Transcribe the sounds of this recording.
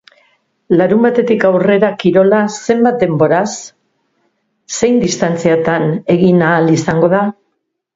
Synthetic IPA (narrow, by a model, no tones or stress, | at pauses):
laɾumbat̪e̞t̪ikawre̞ɾakiɾo̞lase̞mbat̪̚d̪e̞mbo̞ɾas | e̞jnd̪ist̪ant͡siat̪ane̞ɣinaːlisaŋɡo̞ð̞a